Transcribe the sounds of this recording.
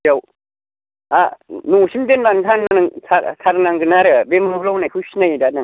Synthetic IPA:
aw | anusimdenbantʰanːanɯŋtʰatʰaɾnaŋɡɯnaɾɯbemuɾawnajkʰusinajdanaŋ

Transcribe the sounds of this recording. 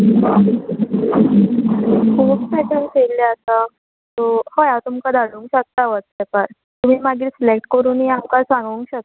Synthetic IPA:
kʰuːp̚pɛt͡ɕəɳkellːeat̪a | t̪ohojaʋt̪umkad̪ʱaɽũŋkɕək̚t̪aʋət̪̚epəɾ | t̪um̤iːmaɡiːɾselek̚ʈkəɾuːniamkasãŋɡũŋkɕək̚t̪a

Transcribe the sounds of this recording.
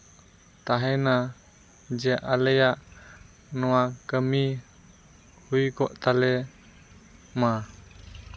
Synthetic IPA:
t̪aɦɛna | d͡ʒɛʔalɛjaʔ | nɔwakəmi | hujkɔʔt̪alɛ | ma

